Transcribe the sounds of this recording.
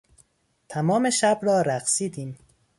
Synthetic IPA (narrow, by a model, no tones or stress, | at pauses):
t̪ʰæmɒːme̞ʃæbɾɒːɾæxsiːd̪iːm